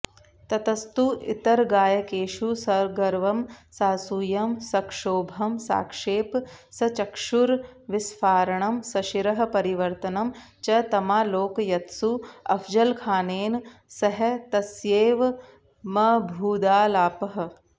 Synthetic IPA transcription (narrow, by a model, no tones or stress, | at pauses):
t̪ɐt̪ɐst̪uʔḭt̪ɐɾɡaːjɐkeːʃusɐɾɡɐɾʋɐmsaːsujɐmsɐkʂoːbʱɐmsa̰ːkʂeːpsɐt͡ʃɐkʂuɾʋisfaːɾɐɳɐmsɐʃiɾɐɦɐ̆pɐɾiʋɐɾt̪ɐnɐm | t͡ʃɐt̪ɐmaːloːkjɐt̪suɐ̰fd͡ʒɐlkʰaːneːnsɐɦɐt̪ɐsjeːʋ | mɐbʱuːd̪aːlaːpɐɦɐ̆